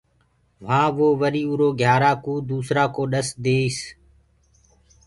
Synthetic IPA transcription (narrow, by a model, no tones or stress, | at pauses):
ʋ̤ãːʋoːʋəɾiːʊɾoːɡʱjaːɾaːkuːd̪uːsɾaːkoːɗəsd̪eːiːs